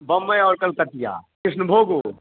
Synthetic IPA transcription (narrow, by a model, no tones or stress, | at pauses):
bɐmːəjɔːɾkɐlkɐt̪ija̰kɪsnəbʱoːɡu